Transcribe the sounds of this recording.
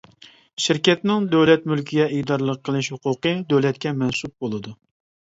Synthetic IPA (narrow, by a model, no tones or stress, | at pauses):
ʃɪɾkʲɛt̪nɪŋd̪øwlɛt̪mylkʲʰiɡʲɛid̪ɑɾɨlˠəqʰːəlˠɪʃhʊqʊqəd̪øwlɛt̪kʲɛmɛnsup̚bolˠɨd̪u